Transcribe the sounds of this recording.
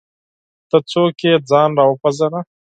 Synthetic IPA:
t̪ət͡soked͡zɑnɾɑwəpazana

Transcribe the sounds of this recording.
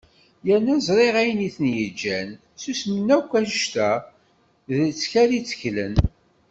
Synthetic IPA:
jænːæzɾˤeʁæjniθənjəd͡ʒːæn | susmənːækʷːæʒəʃt̪æ | ðət͡sːçæɾit͡sːə̥çlə̰n

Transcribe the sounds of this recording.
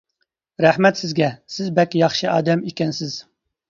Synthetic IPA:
ɾæħmɛt̪sɪzɡʲɛsɪzbɛkʲjɑχʃɨɑːd̪ɛmikʲɛnsɪz̥

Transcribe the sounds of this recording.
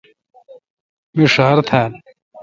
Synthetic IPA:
miʂaːɾt̪ʰan

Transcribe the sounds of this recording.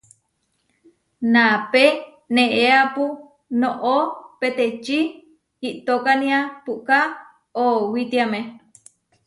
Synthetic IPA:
nape | nẽʔeapu | noʔopet̪et͡ʃi | iʔt̪okanĩapuʔka | owit̪iame

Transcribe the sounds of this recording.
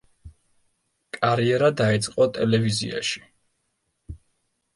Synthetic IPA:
kʼaɾiɛɾad̪aɛt̪sʼqʼɔt̪ʼɛlɛvizḭa̰ʃi̥

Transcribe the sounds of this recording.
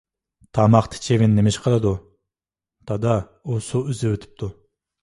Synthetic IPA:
t̪ʰɑmɑχt̪ʰɪ̥t͡ʃʰevɪnːemɪʃqʰəlˠɨd̪u | t̪ʰɑd̪ɑ | usuyzɪwøt̪ʰy̥p̚t̪ʰu

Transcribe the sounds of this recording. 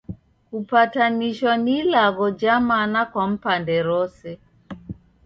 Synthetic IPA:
kupataniʃanilaɣɔd͡ʒamanakwam̩pandɛɾɔsɛ

